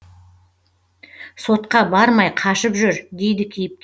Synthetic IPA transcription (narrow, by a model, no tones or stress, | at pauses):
so̞t̪̚qɑbɑɾmɑjqʰɑʃəpʒʏɾd̪e̞jd̪ɪkʲʰejɪp̚kʲ